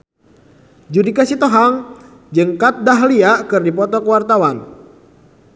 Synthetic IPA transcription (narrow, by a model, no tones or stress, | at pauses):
d͡ʒudikasit̪oɦaŋ | d͡ʒəŋkat̪̚daɦliaʔkɨrdipɔt̪ɔkəwart̪awan